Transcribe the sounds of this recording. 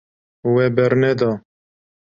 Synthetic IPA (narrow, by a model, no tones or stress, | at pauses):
wɛbɛɾnɛd̪ɔː